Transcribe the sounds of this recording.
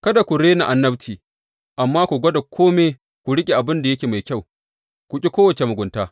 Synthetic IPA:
kɐ˦da˨kʷu˨ɽeː˦na˨ʔa˨nːɐ˦btʰiː˨ | ʔa˨mːaː˦kʷu˨ɡʷɐ˦da˨kʷʰoː˦meː˦ | kʷu˨ɽɪ˦kʲʼe˨ʔa˨bɪ˦nda˨jɐ˦kʲeː˨ma˨jkʲa˦˨w | kʷu˨kʲʼi˦kʷoː˦wɐ˨t͡ʃe˨mʊ˨ɡʷʊ˨ntaː˦

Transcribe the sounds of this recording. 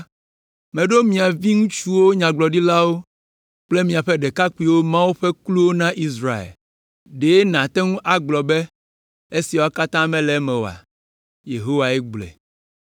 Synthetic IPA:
mɛ̃˨ɖo˦mĩ˨a˨vi˦ŋũ˦t͡ʃu˦wo˦ɲã˨ɡ͡blɔ˨ɖi˦la˦wo˦ | k͡ple˦mĩ˨a˨ɸɛ˦ɖe˨ka˦k͡pi˦wo˦mã˦wu˦ɸɛ˦klu˦wo˦nã˦ʔi˦sɾa˨ḛ˨l | ɖe˨e˦nã˨t̪ɛ˦ŋũ˦ʔa˨ɡ͡blɔ˨be˦ | e˦si˨wo˨a˨ka˦t̪ã˦mɛ̃˦lɛ˨˦mɛ̃˨o̰˨a̰˨ | je˨ɦo˦wa˨ɛ˦ɡ͡blɛ̰˨

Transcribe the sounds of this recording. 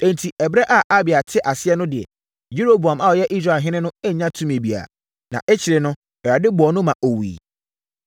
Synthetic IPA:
ẽ˨n˨tʰi˨ɛ˨bɾɛ˦ʔa˨ʔa˦bɪ˨a˨tʰɪ˦ʔa˨sɪ˦ɛ˦nʊ̃˦dɪ˨ɛ̰˨ | ju˦ɾo˦bu˨ã˨ma˦wɔ˨jɛ˦ʔi˦s̬ɾa˨ɦɪ̃˦nɪ̃˦nʊ̃˦e˦˨ɲã˦tʰũ˦mĩ˨e˨bi˨a̰˨ | nã̰˨ʔe˦t͡ɕʰi˨ɾɪ˨nʊ̃˦ | ɛ˨ɾa˨dɪ˦bʊ˨ɔ˨˦nʊ̃˦mã˨ʔo˨wḭː˨

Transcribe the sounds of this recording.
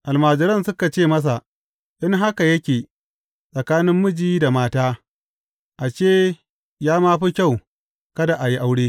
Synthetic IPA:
ʔa˨lmaː˨d͡ʒɪ˨ɾɐ˦nsʊ˦ka˨t͡ʃeː˦˨mɐ˦s̬a˨ | ʔɪ˦ŋɦa˦ka˨jɐ˦kʲeː˨ | sʼɐ˨kaː˦nɪ˦mːʊ˦d͡ʒiː˦da˨maː˦taː˦ | ʔa˨t͡ʃeː˦˨ | jaː˦maː˦ɸi˦kʲa˦˨w | kɐ˦da˨ʔa˨ji˦ʔa˦wɽeː˦

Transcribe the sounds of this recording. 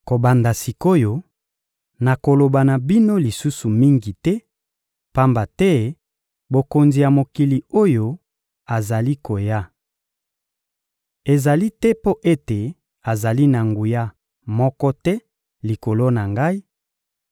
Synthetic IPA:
ko˨ba˨nda˨si˨ko˦jo˦ | na˨ko˨lo˨ba˨na˨bi˦no˦li˨su˦su˨mi˦ŋɡi˨tɛ˦ | pa˦mba˨tɛ˦ | bo˨ko˨nzi˨ja˨mo˨ki˨li˨o˦jo˦ | a˨za˨li˦ko˨ja˦ | e˨za˨li˦tɛ˦po˦ʔe˦te˨ | a˨za˨li˦na˨ŋɡu˨ja˦ | mɔ˦kɔ˦tɛ˦ | li˨ko˨lo˦na˨ŋɡa˦i˦

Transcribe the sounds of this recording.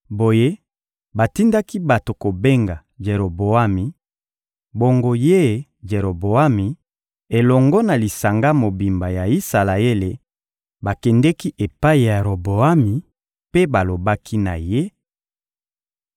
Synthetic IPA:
bo˨je˦ | ba˨ti˦nda˦ki˦ba˨to˨ko˨be˦ŋɡa˨ | ʒe˨ɾo˨bo˨a˦mi˨ | bo˨ŋɡo˨je˦ | d͡ʒe˨ɾo˨bo˨a˦mi˨ | e˨lɔ˨ŋɡɔ˦na˨li˨sa˨ŋɡa˦mo˨bi˨mba˨ja˨i˦sa˨la˨e˦le˨ | ba˨kɛ˨ndɛ˦ki˦ʔe˨pa˦i˨ja˨ɾo˨bo˨a˦mi˨ | pe˦ba˨lo˨ba˦kʰi˦na̰˨je˦

